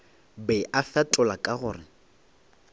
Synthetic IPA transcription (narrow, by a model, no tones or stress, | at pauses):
bɛʔafatʼʊlakʼaɣʊːrɪ